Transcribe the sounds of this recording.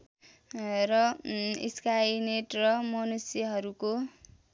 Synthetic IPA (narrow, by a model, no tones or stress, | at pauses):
rʌḭskajineʈrʌmʌnusjʌɦʌɾuko